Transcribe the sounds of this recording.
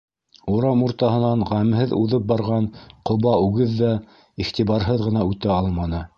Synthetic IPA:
uɾɑmuɾt̪ɑhɤ̆nɑɴʁæmhɘðuðɤp̚bɑɾʁɑnqŏβɑʉɡɘðːæ | iχt̪iβɑɾɦɤðʁɤ̆n̪ɑʉt̪æɑlˠmɑnɤ

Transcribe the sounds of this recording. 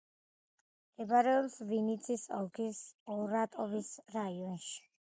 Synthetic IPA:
ɛbaɾɛɔbsvinit̪sʰisɔ̰lkʰisɔɾat̪ʼɔvisɾaiɔnʃi̥

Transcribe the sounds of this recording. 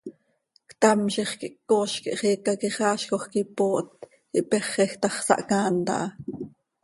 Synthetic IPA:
kt̪ɑmʃiχkiʔkːoːʃkiʔχiːkɑkiχɑːʃkoχkipoːʔt̪ | kḭʔpɛχɛxt̪ɑχsɑ̰ʔkɑːnt̪ɑ̰ʔɑ

